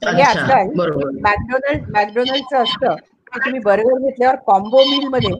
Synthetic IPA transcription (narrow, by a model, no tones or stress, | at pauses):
məɦeat̪lalimæk̚ɖonəlmæk̚ɖonəlt͡səːst̪əː | kit̪um̤iːbəɾobəɾɡʱet̪ljaʋəɾkɔmbomiːlməd̪ʱːje